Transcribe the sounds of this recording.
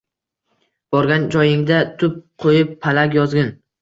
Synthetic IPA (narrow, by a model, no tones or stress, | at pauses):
b̥ɒɾɡʲand͡ʒɒjɪŋd̪at̪ʰʊp̚qʰojɪpʰːalaɡʲjɒzɡʲɪn